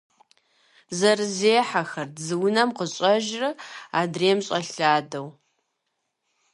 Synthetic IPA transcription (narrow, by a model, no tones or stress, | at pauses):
zɐrɨzeːħaxɐrzɨwʊnɐmqəɕʼɐʒrɨaːdreːmɕʼɐɬaːdɐw